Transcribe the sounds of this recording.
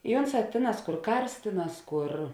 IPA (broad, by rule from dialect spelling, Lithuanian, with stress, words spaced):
ɪ ˈoːnˌsɑː ˈtʲeːˌnɑːs ˈkʊr ˈkɐrs ˈtʲeːˌnɑːs ˈkʊr